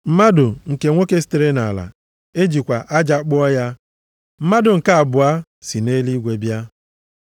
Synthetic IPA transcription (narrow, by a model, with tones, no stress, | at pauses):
m̩˦ma˦dʊ˨ŋ̩˨ke˨ŋʷo˦ke˦si̥˦te˨ɾe˦na˨la̰˨ | e˦d͡ʒi˨kʷa˨ʔa˦d͡ʒa˦k͡pʊ˦ɔ˦ja˦ | m̩˦ma˦dʊ˨ŋ̩˨ka˦a˨bʊ˨a˦ | si˨ne˦li˦ɡʷe˨bja˦